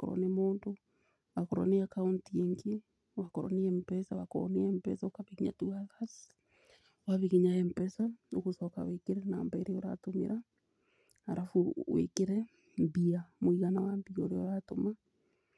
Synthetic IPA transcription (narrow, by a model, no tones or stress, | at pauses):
akɔ̰ɾɔ̰nemoːndo | wakoɾɔ̰neakauntieŋɡi | wakɔɾɔ̰neɛmpɛsawako̰ɔ̰neɛmpɛ̰saokaβeɣiɲa̰tuaðas | waβeɣiɲaɛmpɛsaoɣosɔka̰wekeɾɛnaːmbaeɾeɔɾa̰tomḛɾa | aɾafuwḛkeɾɛ | mbiamoiɣanawambiɔɾeɔɾatoma